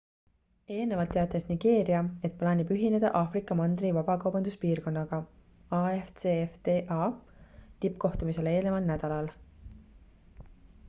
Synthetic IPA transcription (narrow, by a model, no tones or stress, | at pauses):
e̞ːlne̞vɑlt̪ːˑeɑt̪ːˑesniɡ̥e̞ːɾiɑe̞t̪̚plɑːnʲib̥yɦine̞d̪̥ɑ̰ʔɑfrikːˑɑmɑnd̪rivɑb̥ɑkɑwbɑnd̪uspiːrko̞nːɑɡ̥ɑ | ɑeft̪seft̪eʔɑ | t̪ipko̞ht̪umise̞le̞ːlne̞vɑlnæd̪̥ɑlɑl